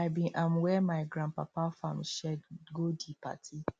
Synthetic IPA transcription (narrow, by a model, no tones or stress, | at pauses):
aɪbĩʔãmwɛmaɪɡɾãnpapafam̩ʃɛdɡodipa̰tʰi